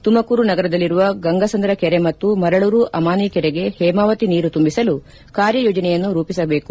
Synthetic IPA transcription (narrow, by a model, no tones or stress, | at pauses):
t̪umɐkuːɾunɐɡɐɾɐd̪ɐlːiɾuʋɐɡɐŋɡɐsɐnd̪ɾɐkɛɾemɐt̪ːumɐɾɐɭuːɾuʔɐmaːnikɛɾeɡe̞hɛːmaːʋɐt̪iniːɾut̪umbisɐlu | kaːɾjɐjoːd͡ʒɐnɛjɐnːuɾuːpisɐbeːku